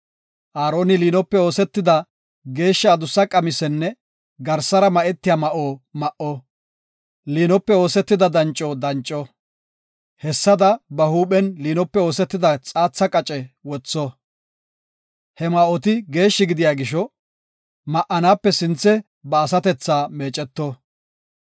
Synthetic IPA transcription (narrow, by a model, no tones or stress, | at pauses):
ʔaːɾo̞ːnɪliːnɔpːɛo̞ːsɛt̪ːɪd̪ɐ | ɡe̞ːʃːɐːd̪ʊsːɐkʼɐmɪsɛnːɛ | ɡɐɾsɐɾɐmɐʔɛt̪ːɪjamɐʔoːmɐʔɔ | liːnɔpːɛo̞ːsɛt̪ːɪd̪ɐd̪ɐnt͡ʃʼːod̪ɐnt͡ʃʼːɔ | hɛsːɐd̪ɐbɐhuːɓɛnliːnɔpːɛo̞ːsɛt̪ːɪd̪ɐt͡sʼaːt͡sːɐkʼɐt͡ʃʼɛwɔt͡sːɔ | hɛmɐʔɔt̪ɪɡe̞ːʃːɪɡɪd̪ɪjaːɡɪʃɔ | mɐʔɐnaːpːɛsɪnt͡sːɛ | bɐːsɐt̪ɛt͡sːaːmeːt͡ʃʼɛt̪ːɔ